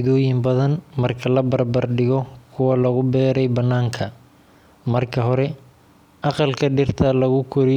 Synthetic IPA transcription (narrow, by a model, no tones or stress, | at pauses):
ðɔːjɪmbɐðɐnmɐrkʰɐlɐbɐrbɐrɖɪɣɔkʰʊwɐlɐɣʊbɛːɾɛjbɐnːaːŋkʰɐ | mɐrkʰɐɦɔɾɛ | ɑqɑlkʰɐɖɪrt̪ʰɐlɐɣʊkʰʊɾɪ